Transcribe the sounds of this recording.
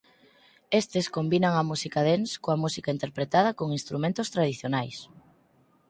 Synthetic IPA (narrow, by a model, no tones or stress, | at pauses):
est̪eskombinaŋɐmusikaðenskoɐmusikaint̪eɾpɾet̪að̞ɐkoŋinst̪ɾumẽnt̪ʊst̪ɾað̞iθjonajs